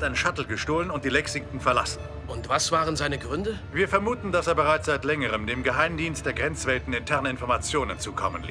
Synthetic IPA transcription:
tʔaɪnənʃatl̩ɡəʃtoːlənʊnt̚d̥iːlɛksɪŋ̚tŋ̩fɛɐla̰sn̩ | ʔʊntv̥asv̥aːʁənzaɪnəɡʁʏndə | viːɐfɛɐmuːtn̩daseːɐbəʁaɪt͡sz̥aɪtlɛŋəʁəmdeːmɡəɦaɪmdiːnst̚d̥eːɐɡʁɛnt͡sv̥ɛltn̩ɪntʰɛɐnəɪnfɔɐmat͡sjoːnənt͡suːkʰɔ̰mə̰nliː

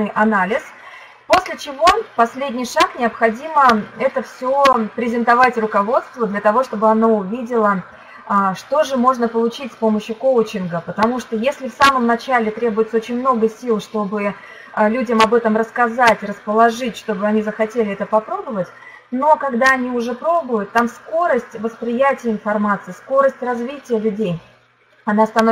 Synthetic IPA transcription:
ɨjʔɐnalʲɪs | po̞sʲlʲɪt͡ɕɪvo̞pɐsʲlʲedʲnʲɪjʂaknʲɪɐpxɐdʲiməɛt̪əfsʲopɾʲɪzʲɪnt̪ɐvatʲrʊkɐvo̞t̪st̪vəd̪lʲət̪ɐvo̞ʂt̪o̞bɨɐnoʊvʲidʲɪlˠə | ʂt̪o̞ʐɨmo̞ʐnəpəlˠʊt͡ɕitʲspo̞məɕːʊkowt͡ɕɪnɡəpət̪ɐmuʂt̪ojesʲlʲɪfsaməmnɐt͡ɕalʲɪt̪ɾʲe̞bʊjɪt̪səo̞t͡ɕɪnʲmno̞ɡəsʲilˠʂt̪o̞bɨ | əlʲudʲəmɐbɛt̪əmrəskɐzatʲrəspəlˠɐʐɨtʲʂt̪o̞bɨɐnʲizəxɐtʲelʲɪɛt̪əpɐpɾo̞bəvətʲ | no̞kɐɡd̪aɐnʲiʊʐɛpɾo̞bʊjʊt̪ːamsko̞ɾəsʲtʲvəspɾʲɪjætʲɪjəɪnfɐrmat̪sɨjəsko̞ɾəsʲtʲrɐzvʲitʲɪjəlʲʊdʲej | ɐnast̪ɐno

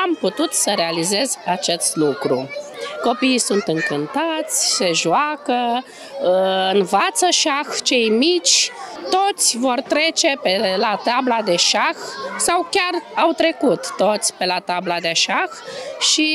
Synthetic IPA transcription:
amput̪ut̪səɾe̞alize̞zat͡ʃe̞st̪lukɾṵko̞piːsunt̪ɨŋkɨnt̪at̪sʲse̞ʒuakə | ɨnvat̪səʃaxt͡ʃe̞jmit͡ʃʲt̪o̞t̪sʲvo̞rt̪ɾe̞t͡ʃe̞pelat̪ablad̪e̞ʃaxsawkʲarawt̪ɾe̞kut̪ːot̪sʲpe̞lat̪ablad̪e̞ʃaxʃi

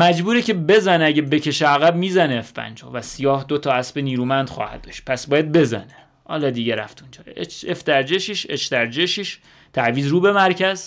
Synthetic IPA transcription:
mæd͡ʒbuːɾecʰe̞be̞zæneæɟebe̞cʰe̞ʃeæɣæb̚miːzæneːfbæ̰nd͡ʒɒ̰ːvæsijɒːhd̪ot̪ʰɒːæsbeniːɾuːmænd̪xɒ̰ːhæ̰d̪̚d̪ɒːʃt̪̚pʰæsbɒːjæd̪̚be̞zæ̰ne | hɒ̰ːlɒːd̪iːɟæɾæft̪und͡ʒʰɒːɾet͡ʃeft̪ʰæɾd͡ʒeʃiʃeʃt̪æɾd͡ʒeʃiʃ | t̪ʰæviːzɾuːbe̞mæɾcʰæz̥

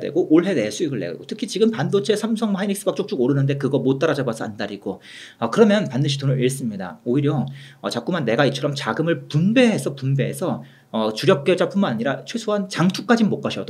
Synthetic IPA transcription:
dḛɡoʔoɭɦe̞des͈ʰuiɡɯɭːeɡʌɡotʰɯ̥kʰit͡ɕiɡɯmpandot͡ɕʰesʰamsʰʌŋmainik̚s͈ɯbak̚t͡ɕ͈ok̚t͡ɕ͈oɡoɾɯnɯnde̞kɯɡʌmot͈aɾad͡ʑabasʰʌandaɾiɡo | ʌkɯɾʌmjʌnpandɯɕʰitonɯɭiɭs͈ɯmɲida̰oiɾjʌʌt͡ɕak͈umanːe̞ɡait͡ɕʰʌɾʌmt͡ɕaɡɯmɯɭpunbe̞ɦːsʰʌpunbe̞ːsʰʌ | ʌt͡ɕuɾjʌk̚k͈ed͡ʑap͈ʰunmanaɲiɾat͡ɕʰwe̞sʰoɦant͡ɕaŋtʰuk͈ad͡ʑinmok͈aɕʰʌdo

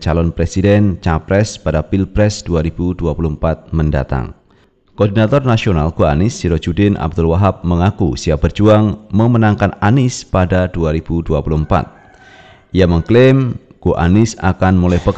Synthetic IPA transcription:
t͡ʃalɔnpɾesidɛnt͡ʃapɾɛspadapilpɾɛsd̥uaɾib̥uduapulumpat̪̚mənda̰t̪a̰ŋ | koɔrdinat̪ɔrnasionalkoa̰nɪsːiɾɔd͡ʒudɪnʔa̰b̚dʊlwaɦap̚məŋakusiabərd͡ʒuaŋməmənaŋkananɪspadaduaɾib̥uduapulumpa̰t̪̚ | ijaməŋklɪmkoʔa̰nɪsa̰kanmolɛhbək

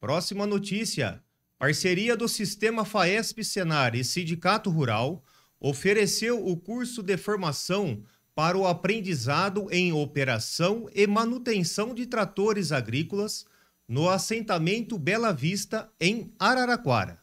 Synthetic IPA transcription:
pɾɔsimɐnot͡ʃisiɐ̰ | paɾseɾiɐd̪ʊsist̪ẽmɐfaɛspɪsenaɾɪsĩd͡ʒikat̪ʊɦuɾa̰w | ofeɾesewʊkuɾsʊd̪ɪfoɾmasɐ̃w̃ | paɾɐʊapɾẽnd͡ʒizad̪ʊʔẽj̃opeɾasɐ̃w̃ɪmɐ̃nut̪ẽsɐ̃w̃d͡ʒɪt̪ɾat̪oɾɪzaɡɾikʊlɐs | nʊasẽnt̪amẽnt̪ʊbɛlɐvist̪ɐẽj̃aɾaɾakwa̰ɾɐ̰

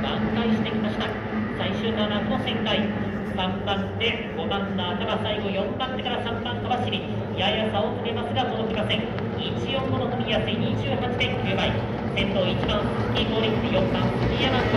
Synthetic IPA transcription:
bãŋkaĩɕi̥t̪e̞kʲimaɕi̥t̪a | saiɕɨːnanamosẽ̞ŋkai | sãmbãnt̪e̞ | ɡ̥o̞mãnnaat̪aɡasaiɡo̞jõ̞mbãnt̪e̞kaɾasãmbãŋkaβaɕiɾʲi | jajasaokɯɾe̞masɨɡasoːokɯɾimasẽ̞ŋ | it͡ɕijõ̞mːonot̪omʲijaseɲʲit͡ɕɨːɦat͡ɕid̪ekʲɯɯbai | sẽ̞nt̪o̞ːit͡ɕibãɰokʲːiko̞ːɾʲiejõ̞mbã̰ŋsmʲiemasɨ

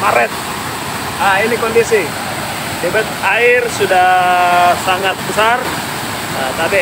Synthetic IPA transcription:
maɾɛt̪̚ | ainikɔndisi | dɛbɛt̪̚airsudahsaŋat̪̚bəsar | at̪api

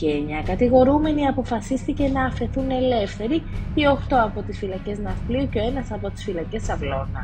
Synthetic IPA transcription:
ceɲɐkɐt̪iɣo̞ɾume̞niɐpo̞fɐsist̪ice̞nɐːfe̞θune̞le̞fθe̞ɾiioxt̪o̞ɐpo̞t̪isfilɐce̞znɐfplioceo̞e̞nɐsɐpo̞t̪i̥sfilɐce̞sɐvlo̞nɐ̰

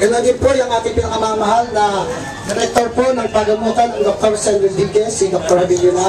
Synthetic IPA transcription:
ɡɐnond̪ɪnpojʊŋʔaːt̪ɪŋpɪnɐkamaːmɐɦalnɐ | d̪ɪɾɛk̚t̪oɾponɐŋpɐɡɐmuːt̪ɐnɐŋd̪ok̚t̪oɾsɛnd̪ɾɪd̪iɡɛsɪd̪ok̚t̪oɾɐbilʊna

